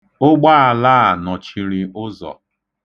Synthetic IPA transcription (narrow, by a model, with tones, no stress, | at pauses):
ʊ˦ɡ͡ba˦a˨laː˦a˨nɔ˨t͡ʃi˨ɾi˨ʊ˦zɔ̰˨